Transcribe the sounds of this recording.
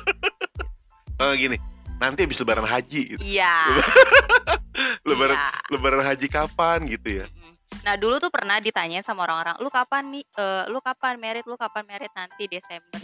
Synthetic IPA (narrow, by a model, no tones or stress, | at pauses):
əɡinɪnant̪iabɪsləbaɾanɦad͡ʒiɡḭt̪ijaləb | ləbaɾaləbaɾanɦad͡ʒikapanɡit̪uja̰ | nahdulut̪upərnahdit̪aɲaɪnsamaoɾaŋoɾa̰ŋlukapanːɪəːlukapanmeɾɪt̪̚lukapanmeɾɪt̪̚nant̪idesɛmbər